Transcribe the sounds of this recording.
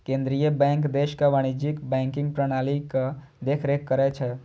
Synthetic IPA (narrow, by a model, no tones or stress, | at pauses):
kẽnd̪ɾijəbɛ̃ŋkd̪eʃkaʋaɽ̃id͡ʒikbɛ̃ŋkɪ̃ŋɡpɾəɽ̃alikə | d̪ekʰɾekːəɾɛt͡ʃʰɛ